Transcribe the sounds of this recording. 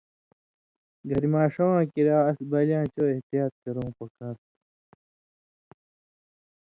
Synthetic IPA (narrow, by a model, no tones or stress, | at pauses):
ɡʱɐɾimaːʂowãːkiɾaːɐsbɐlãːt͡ɕoːeht̪ijaːt̪̚kɐɾõːpɐkaːɾ